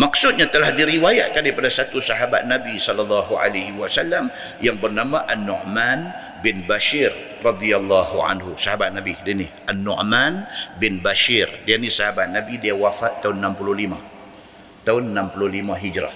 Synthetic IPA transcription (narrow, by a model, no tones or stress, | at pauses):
maksʊt̪̚ɲat̪əlahdiɾiwaja̰ʔ̚kandaipadasat̪usaɦaba̰t̪̚nabisɔlːalːɑɦuʔa̰laɦiwasalːam | jaŋbərnamãʔanːɔ̰ʔman | bɪnbaʃir | rɑd̪ialːaɦuʕa̰nɦusaɦabat̪̚nabidiniʔanːɔ̰ʔmanbɪnbaʃirdianisaɦabat̪̚nabidiawafaʔ̪aʊnːampululima̰ | t̪aʊnnampuluhlimãɦid͡ʒɾa̰h